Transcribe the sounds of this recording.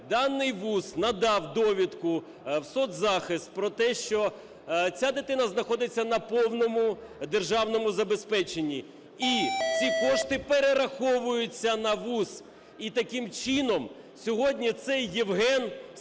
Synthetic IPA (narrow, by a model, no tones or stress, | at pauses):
d̪ɑnːɪjʋusnɐd̪ɑwd̪ɔʋʲit̪kʊ | wsɔt̪zɑxɪst̪̚pɾɔt̪ɛʃt͡ʃɔ | t͡sʲad̪ɪt̪ɪnɐznɐxɔd̪ɪt͡sʲːɐnɐpɔwnɔmʊd̪erʒɑwnɔmʊzɐbespɛt͡ʃenʲːi | it͡sʲikɔʂt̪ɪpeɾeɾɐxɔʋʊjʊt͡sʲːɐnɐʋus | it̪ɐkɪmt͡ʃinɔm | sʲɔɦɔdʲnʲit̪sɛjːiwɦɛn